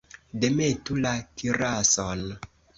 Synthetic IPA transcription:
demetulakiɾason

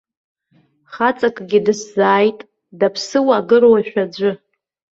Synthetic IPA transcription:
χat͡sʼakʼɡʲidɨszaːjtʼ | dapʰsɨwaːɡɨrwaʃᶣad͡ʒʷɨ

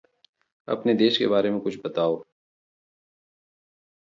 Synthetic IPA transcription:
ɐ̰pned̪eːʃkḛbaːɾemẽkʊt͡ʃʰbɐt̪aːoː

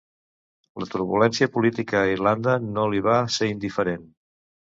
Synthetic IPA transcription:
lət̪uɾβulɛnsiəpulit̪ikəːirland̪ənoliβ̞aseind̪ifəɾen

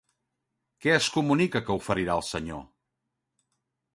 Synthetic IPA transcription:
kɛəskumunikəkəufəɾiɾaəlˠsəɲo̰

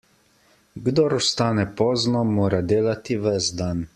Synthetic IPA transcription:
ɡd̪oɾɔst̪aːnɛpɔːznɔmoːɾad̪eːlat̪iʋɛzd̪an

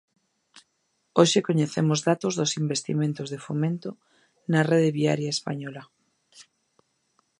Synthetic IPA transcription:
oʃekoɲeθemʊzðat̪ozðosimbest̪ḭmẽnt̪ozðefomẽnt̪o | nareðeβia̰ɾjaespa̰ɲɔlɐ

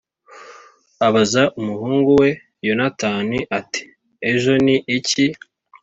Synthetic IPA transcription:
aβazaʔumuhuːŋɡuwe̞ | jo̞nataːniʔati̥ | eʒo̞niʔici

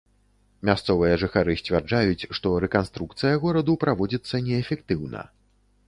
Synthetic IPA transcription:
mʲast̪sɔvɨjɐʐɨxaɾɨsʲt͡sʲvʲard͡ʐajut͡sʲʂt̪ɔɾɛkanst̪ɾukt̪sɨjɐɣɔɾɐd̪upɾavɔd͡zʲit̪sːɐnʲɛːfʲɛk̚t̪ɨwnɐ̰

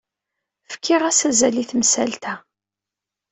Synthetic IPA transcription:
fə̥kʰːɪʁæsæzæliθmsælt̪æ

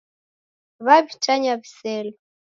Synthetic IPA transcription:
βaβit͡ʃaɲaβisɛlɔ

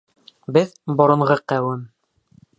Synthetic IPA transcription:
bɘðbŏɾɤ̆ɴʁɤqæwɘm

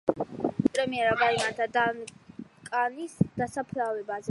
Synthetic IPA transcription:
pʼɾɛmiɛɾabaimaɾt̪ʰad̪ankʼanisd̪̥asapʰlavɛbazɛ

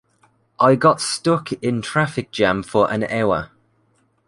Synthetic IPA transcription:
ʔaɪɡɒtstʊkʰɪ̃ntʰɹ̥afɪk̚d̥ʒ̥ãmfəɹʔə̰̃nɛʊə̰

